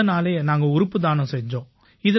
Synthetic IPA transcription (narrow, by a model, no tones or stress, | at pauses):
ɐnaːleːnaːŋɡɐʊɾʊpːɯðaːnɯ̃sɛɲd͡ʒõː | ɪðɐ